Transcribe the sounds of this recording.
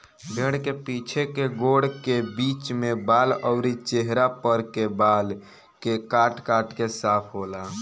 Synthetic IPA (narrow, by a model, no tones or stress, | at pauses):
bʱeɽkepit͡ʃʰekeɡoɽkebit͡ʃmebaləʊɾit͡ʃeɦɾapəɾkebal | kekaʈkaʈkesapʰɦola